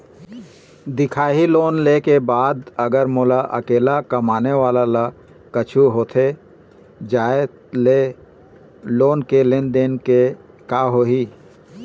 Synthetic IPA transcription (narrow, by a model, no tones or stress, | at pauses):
d̪ɪkʰaːɦiloːnleːkebaːd̪əɡəɾmʊlaʔə̰keːlakəmaːneʋaːlala | kət͡ʃʰuɦoːt̪ʰe | d͡ʒaːe | le | loːnkelenɖ̪enke | kaːɦoːɦiː